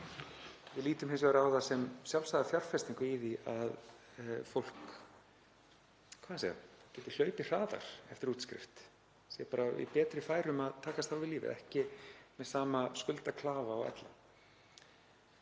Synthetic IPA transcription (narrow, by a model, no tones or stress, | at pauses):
vɪðliːt̪ʏmhɪnsvaɾawðasɛmsjalsaðafjar̥fɛst̪iŋkʏiðiað | fowl̥k | kʰvaðnsaja̰cɛːt̪ɪ̥l̥œːɥpɪr̥aːða̰ɾ̥ɛft̪ɪɾuːt̪skɾɪ̰ft̪ | sjɛpaːɾaɪ̰pɛːt̪ɾɪfaːjɾʏmaðt̪ʰaːkast̪θawvɪðliːvɪ̰ɛ̰hcɪmɛðsaːmaskʏlt̪akʰlaːvaɔɣɛ̰t̪la̰